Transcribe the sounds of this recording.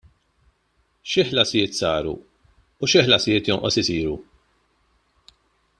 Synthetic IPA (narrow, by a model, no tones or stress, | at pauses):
ʃɪħlɐsɪjɪːt̪sɐːɾṵ | ʊʃɪħlɐsɪjɪːt̪jɔnʔɔsɪsiːɾu